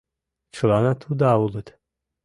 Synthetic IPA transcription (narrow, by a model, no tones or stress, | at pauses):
t͡ʃʰlˠanat̪ʰud̪aulˠət̪